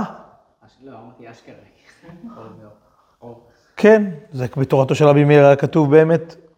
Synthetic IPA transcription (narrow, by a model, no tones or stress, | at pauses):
a | amat̪iaʃkeʁe | kʰenzebet̪oʁato̞ʃelʁabimilʁakatuvbeːmet̪